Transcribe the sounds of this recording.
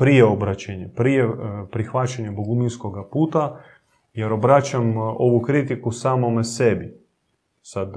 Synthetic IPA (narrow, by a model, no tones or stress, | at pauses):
pɾijeobɾat͡ɕeɲepɾijepɾixʋat͡ɕaɲeboɡuminsko̞ɡapuːt̪a | jeɾo̞bɾat͡ɕamo̞ʋukɾit̪ikusaːmo̞mesebi | sad̪